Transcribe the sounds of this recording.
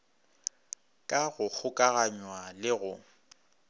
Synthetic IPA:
kʼaɣʊk͡xʰʊkʼaɣaɲwalɪɣʊ

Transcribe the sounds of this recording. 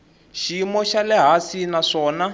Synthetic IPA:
ʃimɔʃalɛɦasinaʂɔːna

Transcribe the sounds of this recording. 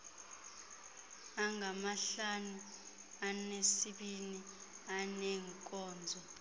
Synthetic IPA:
aŋɡʱamaɬanu | anesiɓini | anɛːŋkʼɔːnd͡zʱɔ

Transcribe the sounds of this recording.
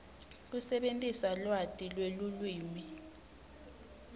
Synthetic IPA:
k̬usɛɓentʼisalwatʼilwelulwiːmi

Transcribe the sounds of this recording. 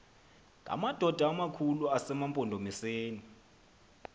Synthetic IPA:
kʼa̰mad̥ʱɔd̥ʱaːmakʰuluasɛmampʼɔndʱomiseːni

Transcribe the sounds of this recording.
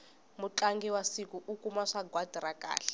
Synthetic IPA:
muǁaŋɡɛwasikuʔukumaʂaɡʱwad̥ʱiɾaka̰ːɬɛ̥

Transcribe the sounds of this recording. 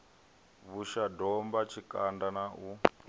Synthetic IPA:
βuʃadɔmbat͡ʃʰikandanaʔu

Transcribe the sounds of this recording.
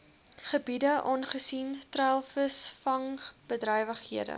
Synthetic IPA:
χəbidəʔɔnχəsintrælˠfəsfɐŋb̥ədrœjvəχhiədə̰

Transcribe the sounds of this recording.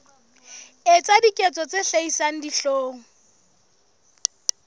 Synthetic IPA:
ɪt͡sʼadikʼɛt͡sʼɔt͡sʼeɬeisaŋ̩diɬoːŋ̩

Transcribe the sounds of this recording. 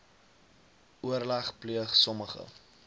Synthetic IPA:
uərlɐχpliəχsɔməχə̰

